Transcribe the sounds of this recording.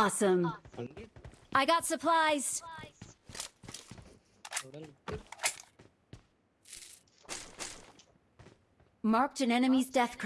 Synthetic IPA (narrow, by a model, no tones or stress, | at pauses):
sə̃m | ʔaɪɡɑtsəpʰl̥aɪz̥ | mɑɹk̚tɨ̃nɛnɨmizdɛθkʰ